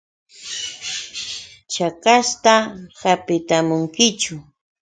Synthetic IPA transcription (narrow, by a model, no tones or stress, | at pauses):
t͡ʃakast̪ahapɪt̪amʊŋkɪt͡ʃʊ